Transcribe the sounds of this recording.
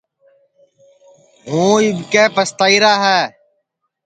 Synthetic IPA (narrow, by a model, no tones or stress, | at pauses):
ɦũːiːbkɛːpəst̪aːiːɾaːɦɛː